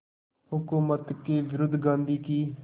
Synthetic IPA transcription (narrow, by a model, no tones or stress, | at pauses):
hʊkuːmət̪ked͡ʒɾʊd̪ɡãːnd̪iːkiː